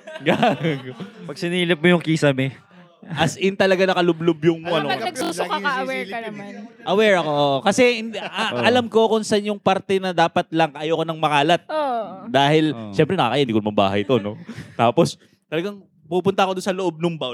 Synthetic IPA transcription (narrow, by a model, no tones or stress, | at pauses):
ɡaɡpɐɡ̚sɪniːlɪp̚mojʊŋkiːsɐmɪ | ʔɐsʔɪnt̪ɐlɐɡanɐkɐlʊblʊbjʊŋmoʔɐnoɐɐɡusaɐɐwɛiɐɐmʔɐwɛɹɐkoʔoːʔokɐsɛɪnɐlɐmko̞kʊnsanjʊŋpaɾt̪ɛnɐd̪aːpɐt̪̚lɐŋkɐʔɐjoːkonɐŋmɐkaːlɐt̪̚od̪aːhɪlʃɛmpɾɛnɐkɐkɐjaʔɪd̪ikonɐmɐŋba̰ːɦɐjt̪ono̞t̪aːpo̞s | t̪ɐlɐɡaŋ | pupʊnt̪ɐʔɐkod̪ʊnsɐloʔob̚nʊŋba